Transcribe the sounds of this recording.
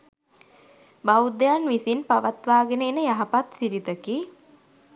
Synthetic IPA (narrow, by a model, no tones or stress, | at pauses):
bawd̪ejanʋisinpaʋat̪ʋaːɡeneːnəjaɦapat̪siɾit̪əki